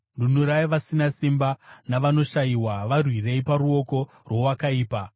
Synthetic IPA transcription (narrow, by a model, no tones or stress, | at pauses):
ndunuɾaiʋasinasimbanaʋano̞ʃajiwaʋarwire̞ipaɾuo̞ko̞ | rwo̞wakaiːpa